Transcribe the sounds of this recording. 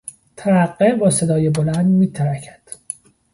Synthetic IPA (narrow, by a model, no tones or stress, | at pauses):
t̪ʰæɾæqːebɒːsed̪ɒːjebolænd̪miːt̪ʰæɾækʰæ̥d̪̥